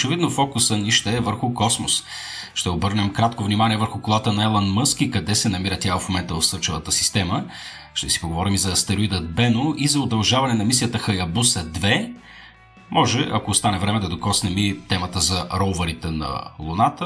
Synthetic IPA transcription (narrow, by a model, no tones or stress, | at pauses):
ot͡ʃɛvid̪nofɔkʊsəniʃt̪ɛːvəɾxʊkɔsmʊs | ʃt̪ɛobɤɾnɛmkɾat̪kovnimaniɛvəɾxʊkolˠat̪ənɐɛlˠɐnmɤsk̟ikɐd̪ɛsɛnɐmiɾət̪ʲjaəfmomɛnt̪əvɐfsɤɾt͡ʃɛvət̪əsi̥st̪ɛmə | ʃt̪ɛsi̥poɡovɔɾimizɐːst̪ɛɾoid̪ɐd̪̚bɛnʊizɐʊd̪ɐlˠʒavɐnɛnɐmisiət̪əxɐjɐbusəd̪vɛ | mʔɔʒɛʔɐkoːst̪anɛvɾɛmɛd̪ɐd̪okɔsnɛmit̪ɛmət̪əzɐɾɔʊvəɾit̪ɛnɐ̰lˠʊnat̪ə